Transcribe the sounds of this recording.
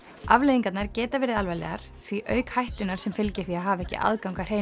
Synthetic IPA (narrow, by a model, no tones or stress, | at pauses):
avlejðiŋkat̪naɾcɛːt̪avɛːɾɪðalvajlɛ̰ɣaɾ̥ | θviʔœːɥkhajht̪ʏnaɾ̥sɛmfɪlcɪɾ̥θiaðɦaːvaɛhcɪ̰ʔa̰ðkawŋkar̥ej